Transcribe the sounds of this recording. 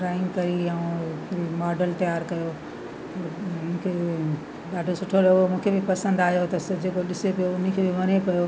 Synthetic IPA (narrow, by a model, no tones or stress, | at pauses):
ɾaːɪ̃ŋɡkɐɾiɐũimaːɖəlt̪ɐjaːɾkɐjo | t̪ɐ̃ːkʰe | ɗaːɖʱosʊʈʰolɐɡomũːkʰebɪpɐsə̃nd̪aːɦjot̪ɐsɐd͡ʑeːkoɗɪsepijoʊn̆kʰeːbɪʋɐnepɐjo